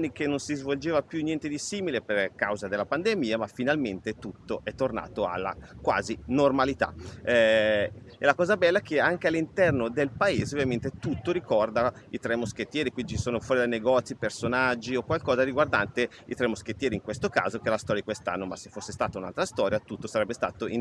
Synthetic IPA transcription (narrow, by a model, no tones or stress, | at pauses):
nːik̟enːonsizvold͡ʒeːvapjunjɛnt̪ed̪isiːmileperkawzad̪elːapand̪emiːamafinalment̪et̪ut̪ːoʔɛt̪ːorna̰ːt̪oa̰lːa̰kwa̰ːzinormalit̪a̰ɛ | ɛlakɔːzabɛlːaɛk̟eaŋk̟ealːint̪ɛrnod̪elpaeːzeovjament̪et̪ut̪ːoɾikɔrd̪a | it̪ɾɛmosk̟et̪ːjɛːɾikwind̪it͡ʃi̥soːnofwɔːɾid̪ajneɡɔt̪sipersonad͡ʒːiokwalkɔːzaɾiɡward̪ant̪e | it̪ɾɛmosk̟et̪ːjɛːɾiŋkwest̪oka̰ːzokelast̪ɔɾjadikwest̪a̰nːoma̰sefːosːest̪aːt̪auna̰lt̪ɾast̪ɔːɾjat̪ut̪ːosaɾɛbːest̪a̰ːt̪oi